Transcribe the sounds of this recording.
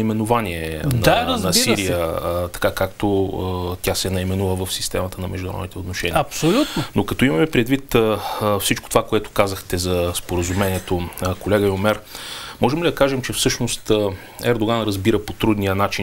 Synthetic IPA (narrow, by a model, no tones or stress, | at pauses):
imɛnovaniɛnanɐsiɾijət̪ɐ̥kakakt̪ot̪ʲjasɛnɐimɛnuvəvəfsist̪ɛmət̪ənɐmɛ̰ʒd̪unɾɔ̰d̪it̪ɛot̪noʃɛniɐpsolʲut̪nonokɐt̪ɔimɐmɛpɾɛd̪vit̪əfsit͡ʃko̥t̪ovakoɛt̪o̥kazəxt̪ɛzɐspoɾəzumɛniɛt̪okolɛɡəjomɛɾmɔʒɛmlid̪ɐkaʒɛmt͡ʃɛfsɤʃnost̪ | ɛɾd̪oɡanɾɐzbiɾəpot̪ɾud̪nijənat͡ʃi